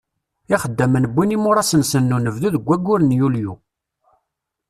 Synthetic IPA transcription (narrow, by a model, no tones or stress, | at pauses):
iχəd̪ːəmənəbːinimʊɾˤɑsənsənːunəvðuðəɡʷːæɡːʊɾənjulju